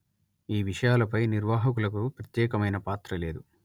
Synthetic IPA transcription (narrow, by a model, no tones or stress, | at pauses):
iːʋiʂɐjaːlɐpɐjniɾʋaːɦɐkulɐkupɾɐt̪jɛːkɐmɐjnɐpaːt̪ɾɐle̞ːd̪u